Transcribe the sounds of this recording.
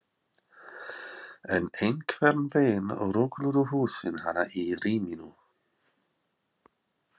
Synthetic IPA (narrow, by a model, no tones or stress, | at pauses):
ɛnejŋkʰvɛɾnveːnɔ̰ɾʊklʏɾʏhuːsɪnhanaʔiɾiːminu